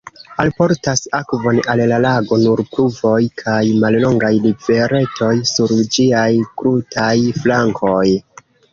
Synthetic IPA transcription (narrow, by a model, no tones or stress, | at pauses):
alpo̞ɾtasakvo̞nallalaɡo̞nuɾpluvo̞jkʰajmallo̞ŋɡajlive̞ɾe̞to̞jsuɾd͡ʒiajkɾutʰajflaŋkʰo̞j